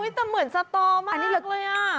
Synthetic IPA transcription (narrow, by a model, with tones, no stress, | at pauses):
jt̪ɛː˨˩mɨ˨˩˦ənsaː˧˩t̪ɔː˧maː˧˩di˧˦ləː˨˦˥k̚ləː˧jʔaː˧˩